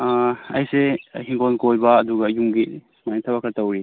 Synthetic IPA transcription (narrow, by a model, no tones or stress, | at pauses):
ɐjsehiŋkonkojbɐːduɡɐːjumɡismajnitʰɐβakʰɐɾtɐwɾi